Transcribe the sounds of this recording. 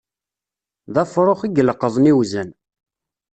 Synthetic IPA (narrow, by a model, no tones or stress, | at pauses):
ðæfɾˤoχiɡələqːəðˤniwzən